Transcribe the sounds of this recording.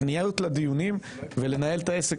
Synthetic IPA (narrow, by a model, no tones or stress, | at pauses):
nijalut̪lad̪ijunim | vele̞naje̞lt̪ae̞se